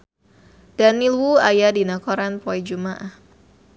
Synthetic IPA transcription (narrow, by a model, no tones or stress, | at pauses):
d̥anilwuajadinakɔɾanpoid͡ʒumaʔah